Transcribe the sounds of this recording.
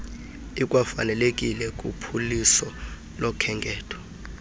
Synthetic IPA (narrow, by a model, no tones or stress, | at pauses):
ikʼwafa̰nɛlek̬ʼilɛkʼupʰulisɔ | lɔkʰɛŋɡʱɛːtʰwḁ